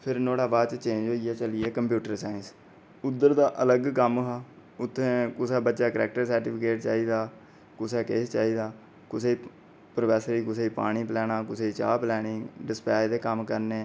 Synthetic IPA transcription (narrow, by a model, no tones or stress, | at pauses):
pʰɪɾnoːɽaːʋaːt͡ʃt͡ʃẽːd͡ʒoːijaːt͡ʃəliːɛːkəmpjuːʈəɾsaːɪns | ʊd̪ːəɾd̪aːʔələɡkəmɦaː | ʊt̪ʰːẽːkʊseːbətːʃaːkəɾɛːk̚ʈəɾsəɾʈiːpʰɪkeːʈt͡ʃa̰ːiːd̪aː | kʊseːkeːst͡ʃaːiːd̪aː | kʊseː | pɾoːpɛːsəɾiːkʊseːpa̰ːɽ̃iːplɛːɽ̃aːkʊseːiːt͡ʃa̰ːplɛːnɪ̃ŋɖɪspɛːjd̪eːkəmkəɾneː